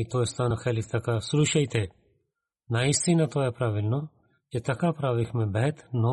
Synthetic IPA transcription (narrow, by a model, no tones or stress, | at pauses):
it̪oːst̪aːnaxeːlikt̪ɐkasʊɾuːʃɐit̪ʰe | naːist̪inat̪oːepɾaːʋɪlno | ket̪ɐkapɾaːʋikʰmẽbɛɦɛt̪noː